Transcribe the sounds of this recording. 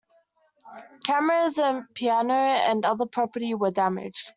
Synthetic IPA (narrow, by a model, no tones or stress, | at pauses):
kʰæməɹəzə̃npʰiænəə̰̃nʌðəpʰɹ̥ɑpəɾiwədæmɪ̰dd͡ʒ